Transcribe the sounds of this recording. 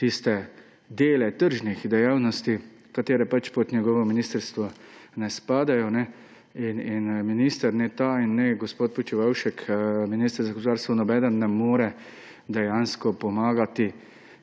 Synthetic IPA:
t̪ist̪ɛ | d̪eːlɛt̪əɾʒnixd̪ɛjaːwnɔst̪i | kat̪eːɾɛpat͡ʃpɔt̪njɛɡɔːʋɔminiːst̪əɾst̪ʋɔnɛspaːd̪ajɔnɛ | ininminist̪əɾnɛt̪ainːɛɡɔspoːt̪̚pɔt͡ʃiʋawʃɛkminiːst̪əɾzaɡosp̬od̪aːɾst̪ʋɔnɔbɛd̪ənːɛmoːɾɛ | d̪ɛjanskɔpɔmaːɡat̪i

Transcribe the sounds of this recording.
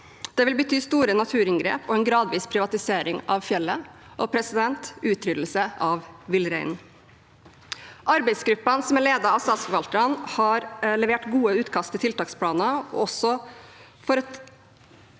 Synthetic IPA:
d̪̥ɛʋɪlbət̪ʰyːst̪uːɾənɑt̪ʰʉːɾɪŋɡɾḛːpɔɛnɡɾɑːd̪ʋiːspʰɾɪʋɑt̪ɪseːɾɪŋɑʋfjɛlːə | ʔɔpʰɾɛsɪd̪ɛnt̪ʔʉːt̪ʰɾʏd̪l̩səʔɑʋʋɪlɾɛɪn | ʔɑɾbɛɪsɡɾʉpːɑnsɔmæɭeːd̪ɑɾɑʋsɑːskəʋɑlt̪əɾɑnhɑɾlɛʋeːʈɡuːəʉːt̪kʰɑst̪ʰɪt̪ʰɪlt̪ɑːkspʰlɑːnɑɔ̰ɔsɔ | fɔɾɑt̪

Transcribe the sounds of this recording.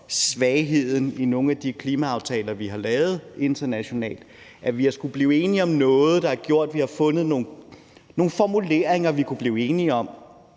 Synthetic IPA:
sʋɛɪɦe̝ð̞̰ˠn̩ino̝ːŋ̩æd̥ikʰliːmæɑ̈ʊt͡sʰɛːlɐʋiɦɑ̈lɛːʊð̞̩ˠe̝nd̥ɐnæɕo̝nɛ̰ːld̥ | ʔæʋiæsɡ̥ub̥liːe̝ːniɒ̽mnɔ̽ːð̞̩ˠd̥ɑ̈æɐɡ̥jo̝ɐ̰d̥ʋihɑ̈fɔ̽nð̞̩ˠno̝ː | no̝ːn̩fɒmule̝ːɐ̰eŋɐʋikʰub̥liːʊe̝ːniɒ̽m

